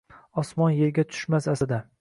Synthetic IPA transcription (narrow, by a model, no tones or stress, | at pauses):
ɒsmɒnje̞ɾɡʲat̪ʰʊ̥ʃmasasɪd̪a